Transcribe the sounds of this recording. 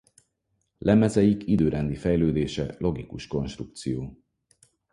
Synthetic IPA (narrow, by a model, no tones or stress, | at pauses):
lʔɛmɛzɛjikʰid̪øːɾɛnd̪ifɛjløːd̪eːʃɛ̰lo̞ɡikuʃko̞nʃt̪ruk̚t̪sijoː